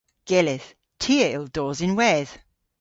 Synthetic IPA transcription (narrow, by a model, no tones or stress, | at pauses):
ɡ̥ɛlɪð | tʰiɪlˠd̥ɔːzɪ̃nwɛð̥